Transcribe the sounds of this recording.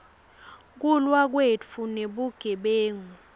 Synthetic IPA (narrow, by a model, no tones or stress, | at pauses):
k̬ulwak̬wet͡fʰuneɓuɡ̥ʱɛɓeːŋu